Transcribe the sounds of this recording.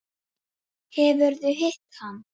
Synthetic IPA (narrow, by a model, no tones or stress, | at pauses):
hɛvʏɾðʏɦeht̪han